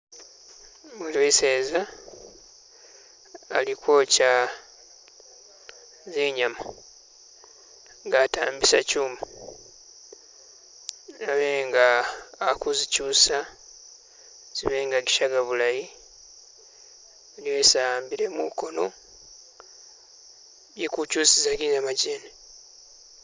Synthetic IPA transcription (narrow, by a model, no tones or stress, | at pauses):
βulweːse̞ːza | likwo̞ːca | zeːɲama | ŋɡaːta̰ːmbisa̰cuːma | aβe̞ːŋɡaːkuzicuːsa | z̥iβe̞ːŋɡaɡiʃaɡaβulaji | liwe̞ːsaambiɾemṵko̞no̞ | jikucuːsizaɡizamaɟeːne